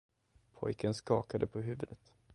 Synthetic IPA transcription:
pʰɔ̰jkʰənskɑːkad̪əpʰɔɦʉ̟ːvəd̪ət̪

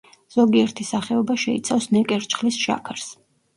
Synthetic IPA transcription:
z̥ɔɡiɛɾt̪ʰisaχɛɔbaʃɛḭt̪sʰafsnɛkʼɛɾt͡ʃʰχlisʃa̰kʰaɾs

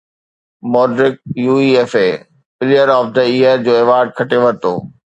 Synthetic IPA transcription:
mɔːɖɾɪk̚juːiːeːfeː | bɪlijəɾɔːfd̪əiːəɾd͡ʑoːeːʋaːɾɖ̚kʰɐʈeʋɐɾt̪o̰ː

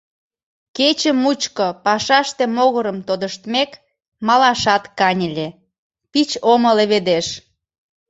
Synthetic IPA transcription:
ket͡ɕəmut͡ɕkopɑʃɑʃt̪emoɣəɾəmt̪od̪əʃt̪mek | mɑlɑʃɑt̪kɑnʲə̆lʲe | pit͡ɕoməleβed̪eʃ

